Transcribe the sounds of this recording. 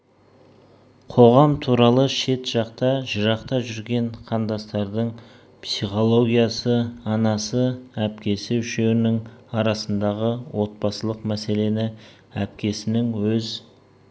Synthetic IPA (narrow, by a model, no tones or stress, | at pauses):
qʰo̞ʁɑmt̪ʰuɾɑlˠəʃe̞t̪ʒ̥ɑqt̪ɑʒəɾɑqt̪ɑʒʏɾɡʲe̞ɴqʰɑnd̪ɑst̪ɑɾd̪əɴ | psiχo̞lˠo̞ɡʲijɑsəɑnɑsəæpkʲe̞sɪʏʃe̞ɡɪnɪŋɑɾɑsənd̪ɑʁəwo̞t̪̚bɑsəlˠəqmæse̞le̞nɪ | æp̚kʲe̞sɪnɪŋwɵz